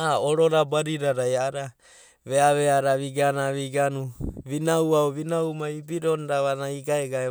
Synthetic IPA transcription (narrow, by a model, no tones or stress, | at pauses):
aoɾoɾabaɾiɾaɾajaɾa | βeaβeaɾaβiɡanaβiɡanuβinawaoβinawmaibiɾonɾaβanaiɡaeɡae